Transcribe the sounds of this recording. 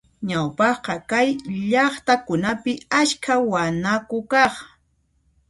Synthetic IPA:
ɲawpɑχqɑkajʎɑχt̪akʊnapɪaʃkawanakʊkɑχ

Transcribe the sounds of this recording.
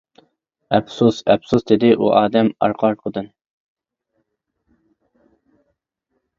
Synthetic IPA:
ɛbsusɛpsusd̪ɪd̪ɪʔṵʔɑːd̪ɛmɑ̰ɾqʰɑɾqʰəd̪ɨn

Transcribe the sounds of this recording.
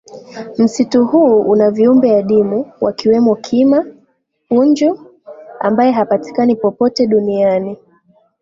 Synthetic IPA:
m̩situhuːunaviumbɛaɗimuwa̰kiwɛmɔkʰima | uɲd͡ʒɔ | a̰mbajɛɦapati̥kanipɔpɔtɛɗuniani

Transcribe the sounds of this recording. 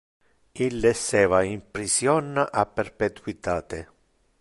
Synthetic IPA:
ilːɛsːɛːvaimpɾisjɔnːaʔapːerpet̪wit̪aːt̪e

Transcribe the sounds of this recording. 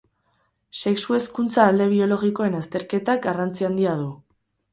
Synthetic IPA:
se̞ksue̞skunt͡saːld̪e̞β̞io̞lo̞ɣ̞iko̞e̞nast̪e̞ɾke̞t̪ak̚ɡarant͡siand̪iað̞u

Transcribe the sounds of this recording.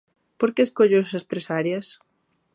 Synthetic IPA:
poɾkeːskoʎoesɐst̪ɾesaɾjɐs

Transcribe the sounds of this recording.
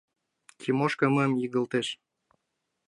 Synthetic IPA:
kʰʲimoʃkəməmjiɣə̆lt̪eʃ

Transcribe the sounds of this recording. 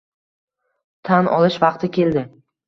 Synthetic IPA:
t̪ʰanʔɒ̰lˠɪʃvɑqt̪ʰɪkʲe̞ld̪ɪ

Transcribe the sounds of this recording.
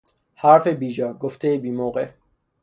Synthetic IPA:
hæɾfe̞biːd͡ʒɒːɡoft̪ʰejebiːmoːɣḛ

